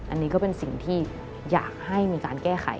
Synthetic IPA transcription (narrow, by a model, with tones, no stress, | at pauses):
ʔa˧nːiː˦˥kɔ˥˩pe˧nsi˨˩ŋt̪ʰiː˥˩ | ja̰ː˨˩k̚ha˥˩jmiː˧kaː˧nkɛː˥˩xʰa̰˨˩˦